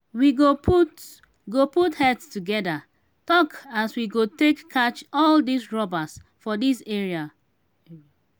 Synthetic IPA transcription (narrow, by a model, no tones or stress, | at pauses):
wiɡopʰut | ɡoputhɛdstuɡɛda | tɔkaswiɡotekʰːat͡ʃɔldisɹɔbas | fɔdisɛɹia